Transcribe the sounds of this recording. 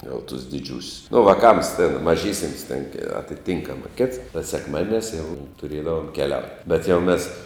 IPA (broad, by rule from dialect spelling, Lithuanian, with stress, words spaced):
jɛʊ tʊs dʲɪˈd͡ʒʲuːsʲʊs nʊ ʋɐˈkɐms tʲeːn mɐˈʒʲiːsʲɪms tʲeːn ɐtʲɪˈtʲiːŋkɐmɐ kʲeːts tɐ sʲɛkˈmɑːdʲiɛˌnʲæːs jɛʊ tʊˈrʲeːdɐʋoːm kʲɛˈlʲɛʊtʲ bʲɛt jɛʊ ˈmʲeːs